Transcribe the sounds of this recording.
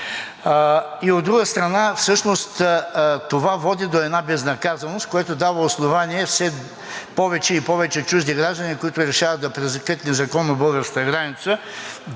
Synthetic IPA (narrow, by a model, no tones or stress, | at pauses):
iod̪ːɾuɡəst̪ɾɐnafsɤʃnost̪t̪ovavɔd̪id̪oɛd̪nabɛznɐkazɐnost̪̚koɛt̪od̪avɐosnovaniɛfsɛ | pɔvɛt͡ʃɛipɔvɛt͡ʃɛt͡ʃuʒd̪iɡɾaʒd̪ɐnikoit̪ʊɾɛʃavɐt̪̚d̪ɐpɾɛzɐkət̪nɛzɐkɔnːobɤlˠɡəɾskət̪əɡɾanit̪sə